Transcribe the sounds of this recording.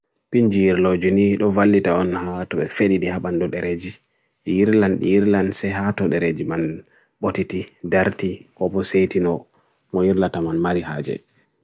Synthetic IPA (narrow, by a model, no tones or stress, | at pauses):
piɲd͡ʒijiɾlod͡ʒuniɗɔvalːitaɔnhatɔɓɛfeɗiɗihaɓandɔɗɛɾed͡ʒi | jiɾlanɗḭjiɾlansɛɦatɔɗɛɾed͡ʒiman | ɓotitidaɾtikɔbɔsejtinɔ | mɔjiɾlatamanmaɾiha̰ːd͡ʒɛ̰